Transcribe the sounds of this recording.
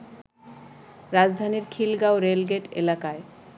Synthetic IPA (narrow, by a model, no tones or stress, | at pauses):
ɾad͡ʑd̪ʱaniɾkʰilɡaoɾelɡeʈḛlakae